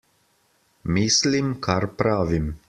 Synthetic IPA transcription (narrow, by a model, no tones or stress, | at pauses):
miːslimkʰaɾpɾaːʋim